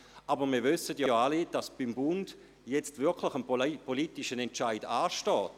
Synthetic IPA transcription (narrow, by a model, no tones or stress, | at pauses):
ʔabəʁmiːɐʋvʏsətjooːalid̥asb̥imbʊnd̥ | jɛt͡stvɪkʰlɪxənpolitiʃənɛnt͡ʃaɪdaːʃtɔːt